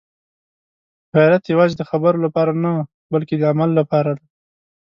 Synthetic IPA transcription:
haɾat̪jawɑzed̪əxabəɾolapɑɾana | balked̪əamalːapɑɾad̪a

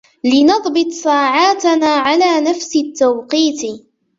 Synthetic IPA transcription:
lɪnɑðˤbɨt̪ˤsˤaːʕaːt̪anaːʕalaːnafsɪt̪ːawqiːt̪

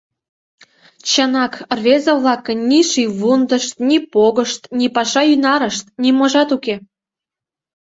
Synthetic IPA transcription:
t͡ɕənɑkrβezəβlɑkːənnʲiʃiβund̪əʃt̪nʲipoɣəʃt̪nʲipɑʃɑynɑɾəʃt̪nʲimoʒɑt̪uke

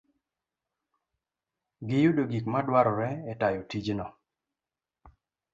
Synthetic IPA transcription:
ɡɪjudoɡikmadwaɾɔɾɛɛtajotid͡ʒnɔ

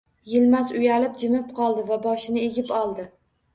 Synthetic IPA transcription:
jɪlmazʊjalɪp̚d͡ʒɪmɪp̚qʰɒlˠd̪ɪvabɒʃɪnɪe̞ɡʲɪpɒlˠd̪ɪ

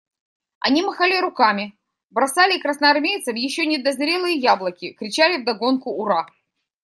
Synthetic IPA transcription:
ɐ̰nʲimɐxalʲɪɾʊkamʲɪ | bɾɐsalʲɪkɾəsnɐɐrmʲejt̪səfjɪɕːonʲɪd̪ɐzɾʲe̞lˠɨjəjablˠəkʲɪkɾʲɪt͡ɕalʲɪvd̪ɐɡo̞nkʊːɾa

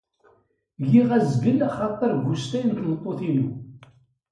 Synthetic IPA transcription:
jiʁæzɡəlːaχɑt̪ˤːəɾɡust̪æjnk̪mət̪ˤːoθinu

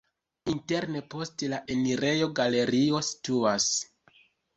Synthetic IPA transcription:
inte̞ɾne̞po̞stlaʔe̞niɾe̞jo̞ɡale̞ɾio̞si̥tuas

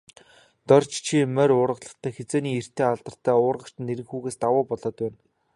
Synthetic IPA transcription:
t̪ɔr̥t͡ɕt͡ɕʰimæɾʊːrʁə̆ɮə̆χt̪ʰæːxet͡seːniːer̥t̪ʰeːaɮt̪ə̆r̥t̪ʰæːʊːrʁə̆t͡ɕt̪ɘ̆neɾɘ̆ŋxuːɣeːst̪awʊːpɔɮɔːt̪pæːn

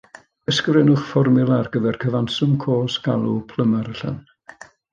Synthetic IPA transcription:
əskvrɛnʊχfɔrmɪlˠarɡ̥əvɛrkʰəvansʊmkʰoːsɡ̥alˠupʰləmaɾəɬə̰n

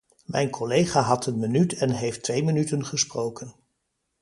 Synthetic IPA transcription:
mʔɛjnkʰɔlejχaːɦɑtənmənytɛnɦejftʋejmənytənχəsprowkən

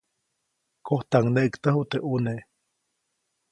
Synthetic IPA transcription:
koht̪aŋneʔɨkt̪əɦuʔt̪eʔuneʔ

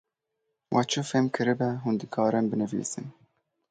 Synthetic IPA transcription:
wʔɑt͡ʃʰɨfemkʰɨɾɨbɛɦund̪ɨkʰɑːɾɛnbɨnɨvḭːsɨn

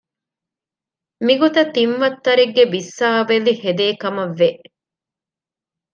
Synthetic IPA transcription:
miɡot̪ɐt̪inʋɐt̪ːɐɾeɡːebisːaːʋelihed̪eːkɐmɐʋːeʔ

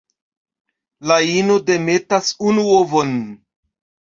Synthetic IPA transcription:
lainode̞me̞tasunuovo̞n

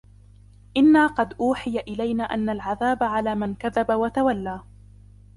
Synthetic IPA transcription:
ʔɪnːaːqɑd̪ʔuːħɪjaʔɪlajnaːʔanːalʕaðaːbaʕalaːmankaðabawat̪awalːaː

